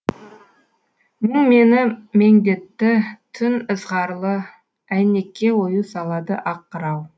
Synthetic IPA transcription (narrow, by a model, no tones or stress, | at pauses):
məŋme̞nɪme̞ŋd̪e̞t̪ːɪt̪ʰʏnəzʁɑɾlˠə | æjne̞kʲːe̞wo̞jusɑlˠɑd̪əʔɑqːəɾɑw